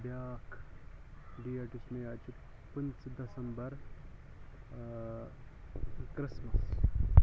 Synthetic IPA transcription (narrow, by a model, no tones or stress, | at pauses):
ɖjaːkʰ | ɖiːaːʈismead͡ʑu | pənt͡sd̪ɐsɐmbəɾ | kɾismɐs